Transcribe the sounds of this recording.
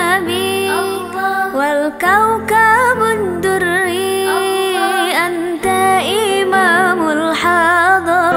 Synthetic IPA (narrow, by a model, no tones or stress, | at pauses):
bi | walkawkabʊd̪ːʊɾːi | ʔan | t̪aʔɪmaːmʊlħɑd̪ˤɑ